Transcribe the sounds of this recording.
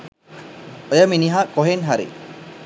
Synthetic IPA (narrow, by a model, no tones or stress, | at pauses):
ɔjaminiɦaʔkɔɦɛnɦaɾḭ